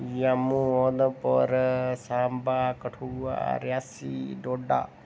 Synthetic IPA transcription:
jamuonəpɔɾsaːmbakəʈʰua̰ɾjaːsiɖoːɖa̰ː

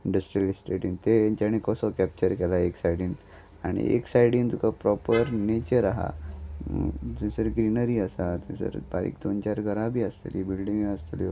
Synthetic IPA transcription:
iɳɖəsʈɾijəlisʈeʈĩnt̪et͡ɕaɽ̃ikɔsɔkɛp̚t͡ɕəɾkɛlaeksajɽin | aɽ̃ḭḛksajɽint̪ukapɾɔpəɾnet͡ɕəɾaɦa̰ | t̪ẽsəɾɡɾinəɾiəsat̪ḛsə̰ɾbaɾḭk̚d̪ont͡ɕaɾɡʱəɾãbʱiːəst̪elibilɖĩŋəst̪uljo

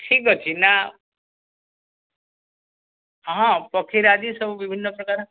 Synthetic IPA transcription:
ʈʰikɦɔt͡ʃʰina | ɦãpɔkʰiɾad͡ʒisəbubibʱinːɔpɾɔkaɾ

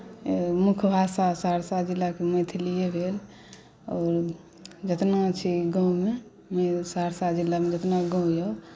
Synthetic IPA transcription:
mukʰbʱasasaɾsad͡ʒilːakemẽt̪ʰliebʱel | ɔːɾ | d͡ʒət̪nat͡ʃʰiɡə̃ũme | mesaɾsad͡ʒilːamed͡ʒət̪naɡə̃ũjao

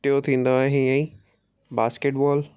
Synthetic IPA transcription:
ʈijot̪ʰĩːn̆d̪oaːɦeɦĩɛ̃ | baːskeːʈbɔːl

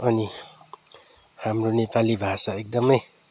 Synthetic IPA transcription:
ʌni | hamronepalibʱasaek̚d̪ʌmʌj

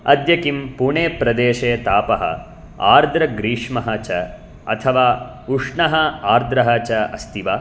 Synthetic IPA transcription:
ɐ̰d̪jɐkimpuɳeːpɾɐd̪eːʂeːt̪aːpɐɦɐ̰ | a̰ːɾd̪ɾɐɡɾiːʂmɐɦɐt͡ʃɐ | ɐ̰t̪ʰɐʋaː | uʂɳɐɦɐaːɾd̪ɾɐɦɐt͡ʃɐɐst̪iʋaː

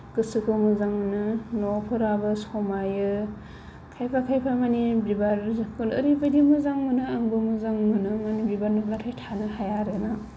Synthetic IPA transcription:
kɯsɯkʰɯmuzaŋnɯnopʰɯɾabɯsɔmajɯ | kʰajpʰakʰajpʰamanibibaɾkɯnɯɾibajdimuzaŋmɯnɯaŋbɯmuzaŋmɯnɯmanibibaɾnɯlatʰajtʰanɯhajaɾɯna

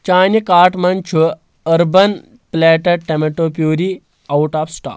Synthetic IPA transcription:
t͡ʃaːnikaːɾʈmɐnt͡ʃʰu | ɐɾbɐn | pleːʈɐʈemeʈoːpjuːɾi | ɐwʈaːpsʈa̰ː

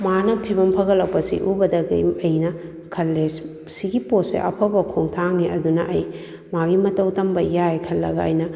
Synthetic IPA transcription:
manɐpʰibɐmpʰɐɣɐlːɐwpɐsḭʔubɐdɐɡɐ̰jɐjnɐ | kʰɐlːe | siɡiposḛʔɐpʰɐbɐkʰoŋtʰaŋniʔɐdunɐ̰ʔɐj | maɡimɐtɐwtɐmbɐjajkʰɐlːɐ̰ɡaːjnɐ

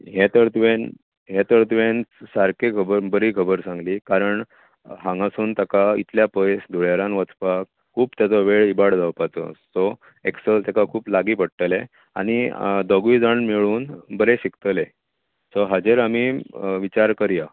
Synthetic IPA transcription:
ɦet̪əɾt̪ʋen | ɦet̪əɾt̪ʋensaɾkekʰəbəɾbəɾiːkʰəbəɾsãŋɡliːkaɾəɳ | ɦãŋɡasuːnt̪akaḭt̪ljapəjsd̪ʱuɭjaɾãnʋət͡spa | kʰuːbt̪jat͡sɔʋeɭibaɽd͡zʱawpat͡sɔ̰sɔ | eksəlt̪akakʰuːplaɡiːpəɽʈ̪əle | a̰ɽ̃id̪ɔɡʋiːd͡zəɳmiɭuːnbəɾeɕikt̪əle | sɔɦad͡ʑeɾamiːʋit͡ɕaɾkəɾja

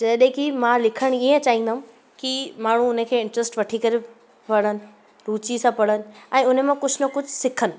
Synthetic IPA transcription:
d͡ʑəɗɦẽkimãlɪkʰəɽ̃iə̃t͡ɕaːĩːn̆d̪aːʊ̃m | kimaːɳ̤ũʊnəkʰeːɪ̃ɳʈɾəsʈʋɐʈʰikɐɾe | pɐɽ̤ənɪ̆ | ɾuːt͡ɕisãpɐɽ̤ənɪ̆ɛ̃ːʊnəmãkʊd͡ʑʱnɐkʊd͡ʑʱʊsɪkʰənɪ̆

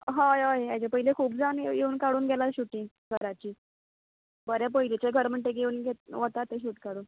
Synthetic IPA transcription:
ɦãjaeat͡ɕepəɦilekʰuːb̚d͡zanjeuːnkaɽuːnɡʱɛlaɕuʈĩŋɡ | ɡʱəɾat͡ɕiː | bəɾap̬əilet͡ɕeɡʱəɾm̤əɳʈ̪eɡeuːnɡʱet̪ʋət̪at̪ːeɕ̬uːʈkaɽuː

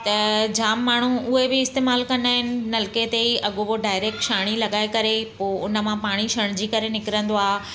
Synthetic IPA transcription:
t̪ɐd͡ʑaːmːaːɳ̤uʊɦebɪɪst̪eːmaːlkɐ̃nd̪aːɦɪnɪ̆nɐlɪket̪eiʔɐɠoboɖaːɪɾeːk̚ʈʃaːɽ̃ilɐɠaːekɐɾepoːʊnə̆mãpaːɽ̃iʃɐɽ̃d͡ʑiːkɐɾenɪkɪɾə̃nd̪oaːɦ

